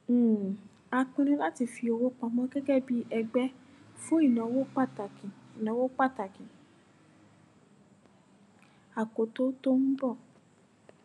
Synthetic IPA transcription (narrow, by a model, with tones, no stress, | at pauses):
a˧k͡pĩ˧ñĩ˧la˦ti˧fi˧o˧wo˦k͡pa˧mɔ̃˧˦ɡɛ˦ɡɛ˦˨bi˦ʔɛ˧ɡ͡bɛ˦ | fũ˦i˦˨nã˨˦wo˦k͡pa˦˨ta˨kĩ˨i˨nã˨˦wo˦k͡pa˦˨ta˨kĩ˨ | a˨ko˨˦to˦to˦n̩˦bɔ˦˨